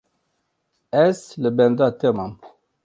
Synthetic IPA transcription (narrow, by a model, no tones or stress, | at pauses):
ɛsləbɛ̃nd̪at̪ɛmam